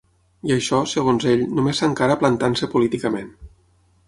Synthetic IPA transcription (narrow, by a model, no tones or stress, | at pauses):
iəʃɔsəɣ̞onzeʎnumesaŋkaɾəplant̪ansəpulit̪ikəmen